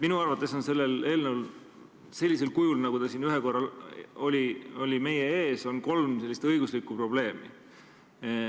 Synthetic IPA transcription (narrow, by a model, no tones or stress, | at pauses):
minuɑrvɑt̪ːˑe̞so̞nse̞lːele̞ːlnəwl | se̞lʲːise̞lkujulnɑɡ̥ud̪ɑsinyɦeko̞rːɑlo̞lʲio̞lʲime̞je̞e̞ːso̞nko̞lmse̞lːist̪ɤjɡ̥uslikːˑupro̞ble̞ːmḭ